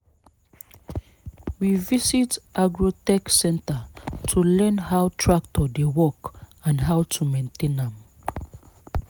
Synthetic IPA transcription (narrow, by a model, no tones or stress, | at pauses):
wivisitʔaɡɹotɛksɛ̃ntətʰulɜ̃nhawtʰɹak̚tʰɔdewɔkãnɦawtʰumẽntʰẽnãm